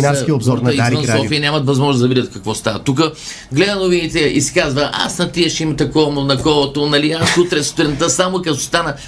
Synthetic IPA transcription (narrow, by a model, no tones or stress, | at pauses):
inaiobzɔɾnɐizvənssɔfijənʲamɐt̪vɐzmɔʒnoszd̪ɐvid̪ʲət̪kɐkvɔst̪avɐt̪uk̬ə | ɡlɛd̪ɐnovinit̪ɛḭsi̥kazvɐʔa̰snɐt̪iɛʃimɐt̪ɛkɔɾmonɐkɔlˠot̪onɐliasut̪ɾɛst̪ɾɛnt̪əsamʊkɐzst̪anɐ